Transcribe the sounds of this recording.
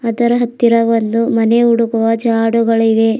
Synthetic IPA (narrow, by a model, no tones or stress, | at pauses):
ɐd̪ɐɾɐɦɐt̪ːiɾɐʋond̪umɐneuɽukuʋɐd͡ʒaːɽuɡɐɭiʋe̞